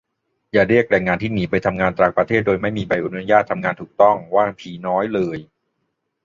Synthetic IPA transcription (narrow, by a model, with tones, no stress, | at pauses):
jaː˨˩ɾi˥˩ək̚lɛː˨˩ŋːaː˧nt̪ʰiː˥˩niː˩˦pa˧jt̪ʰa˧mŋaː˧nt̪ɾaː˨˩k̚pɾa˧t̪ʰeː˥˩t̪̚doː˧jma˥˩jmiː˧ba˧jʔa˨˧nu˦˥˦jaː˥˩t̪ʰːa˧mŋaː˧nt̪ʰuː˨˩k̚t̪ɔ˥˩ŋwaː˥˩pʰiː˨˩˦nɔː˦˥jlɤː˧j